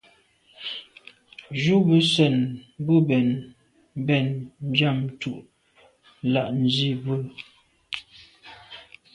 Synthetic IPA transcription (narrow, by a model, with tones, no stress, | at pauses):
ʒu˦bə˦sɛ˨nbə˦bɛ˨n˦ | bɛ˦˨nn̩˦d͡ʒa˦˨mtu˨ʔ | la˦˨ʔn̩˨zi˦˨bə˦˨